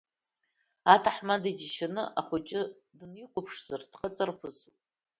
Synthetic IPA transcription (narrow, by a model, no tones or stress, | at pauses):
atʰaħmadid͡ʒʃanɨʔaχʷʊt͡ʃʼɪ | dniqʷʰʊpʰʂz̥ardqʼat͡sʼarpʰɨsu